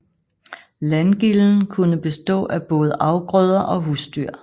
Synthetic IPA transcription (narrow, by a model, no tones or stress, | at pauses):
lænɡ̥iln̩kʰunəb̥e̝sd̥ɔ̰̽ːʔæb̥ɔ̽ːð̞ˠəʔɑ̈ʊɡ̥ʁœð̞ˠɐʔɒ̽ɦusd̥yɐ̰